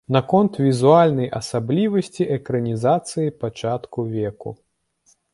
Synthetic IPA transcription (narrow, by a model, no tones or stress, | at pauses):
nɐkɔnt̪vʲizualʲnɐjʔɐsablʲivɐsʲt͡sʲiʔɛkɾɐnʲizat̪sɨjipat͡ʂat̪kuvʲɛkṵ